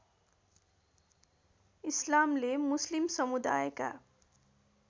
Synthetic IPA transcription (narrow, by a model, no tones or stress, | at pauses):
islamlemʊslimsʌmud̪a̰jka̰